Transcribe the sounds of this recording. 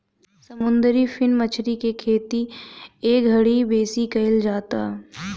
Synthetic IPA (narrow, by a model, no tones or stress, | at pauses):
sɐmʊ̃nd̪əɾifʰɪnmət͡ʃʰɾikekʰeːt̪ieːɡʱɐɽibeːsikɐɪld͡ʒaːt̪aː